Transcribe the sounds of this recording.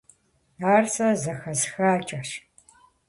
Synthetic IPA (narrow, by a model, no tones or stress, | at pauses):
aːrsɐzɐxɐzxaːt͡ʃʼɐʃ